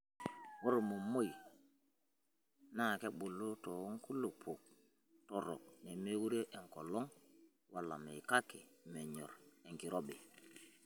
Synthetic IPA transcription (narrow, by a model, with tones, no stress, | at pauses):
wo˦ɾmu˨mo˦j | na˦˨ke˦ɓu˨lːu˦to˨wu˦ŋku˦lːo˨pʰu˨k̚ | to˨ɾo̰˨k̚ne˨me˦wu˦ɾe˦ʔe˨ŋko˨lo˦ŋ | wa˨lːa̰˨mḛ˨ka˦ke˨me˨ɲo˨ɾe˨ŋki˨ɾo˦be˨